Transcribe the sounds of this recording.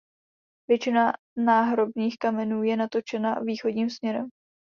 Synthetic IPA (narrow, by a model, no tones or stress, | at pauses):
vjɛt͡ʃɪna | naːɦɾo̞bniːxkamɛnuːjɛnat̪o̞t͡ʃɛnaviːxo̞dɲiːmsmɲɛɾɛm